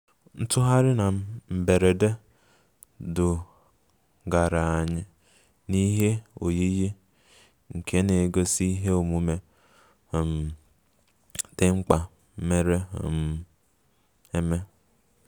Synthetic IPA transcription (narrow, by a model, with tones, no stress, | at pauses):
n̩˦tʊ˦ɦa˦ɾɪ˦na˨˦m̩˨be˨ɾe˨de˦ | dʊ˨ | ɡa˨ɾa˨a˨ɲɪ˦ | ni˦ɦe˦o̰˨ji˦ji˦ | ŋ̩˨kʰe˦ne˨ɡo˦si˦i˦ɦe˦o˨mu˦me˦˨ | m̩˨ | d̥ɪ˦ŋ͡m̩˦k͡pa˨˦ | me˦ɾe˦˨m˦ | e˦me˦